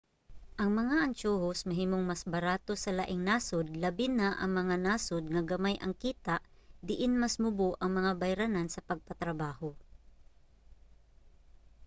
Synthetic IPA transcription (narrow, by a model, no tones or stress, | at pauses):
ʔɐŋmɐŋaʔɐnt͡ʃoːhosmɐɦiːmoŋmɐsbɐɾaːt̪o̞sɐlaʔɪŋnaːsod̪lɐbɪnaʔɐ̰ŋmɐŋanaːsod̪̚ŋɐɡɐmajʔɐŋkiːt̪aʔd̪ɪʔɪnmɐsmʊboʔɐŋmɐŋabɐjɾanansɐpɐɡ̚pɐt̪ɾɐbaːho